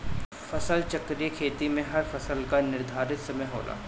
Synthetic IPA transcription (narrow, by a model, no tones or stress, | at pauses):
fɐsəlt͡ʃɐkɾekʰeːt̪imẽɦɐɾfɐsəlkanɪɾd̪ʱaːɾɪt̪sɐməjɦo̰ːlʔa̰ː